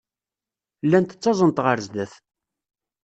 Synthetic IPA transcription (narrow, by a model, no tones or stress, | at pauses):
lːænt̪ə̥t͡sːɑzˤənt̪ʁəɾzd̪æθ